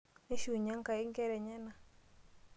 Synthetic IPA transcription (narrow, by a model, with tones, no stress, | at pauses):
e˦ʃu˨ɲa˦ŋka˨ɪ˦ŋkɛ˦ɾɛ˨ɲɛ˦na˨